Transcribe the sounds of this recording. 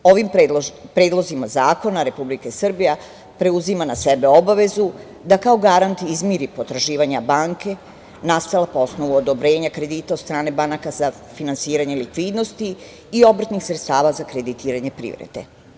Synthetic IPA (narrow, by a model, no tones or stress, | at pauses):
o̞ʋimpɾe̞ːd̪lˠo̞zimazaːko̞naɾe̞publikesr̩bija | pɾe̞uzimanasebe̞o̞baʋe̞zu | d̪akao̞ɡaɾant̪izmiɾipo̞t̪ɾaʒiːʋaɲabaŋke̞ | nast̪alapoo̞sno̞ʋuod̪o̞bɾe̞ːɲakɾe̞d̪iːt̪aod̪st̪ɾaːne̞banakaza | finansiːɾaɲelikʋiːd̪no̞st̪iː | o̞br̩t̪nixsɾe̞t̪st̪aːʋazakɾe̞d̪it̪iːɾaɲepɾḭːʋɾḛd̪e̞̰